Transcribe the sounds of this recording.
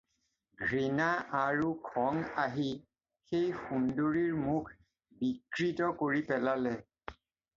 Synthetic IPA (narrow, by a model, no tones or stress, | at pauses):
ɡʱɹinaʔaɹukʰɔŋaɦi | xejxundoɹiɹmukʰ | bikɹitɔkoɹipɛlalɛ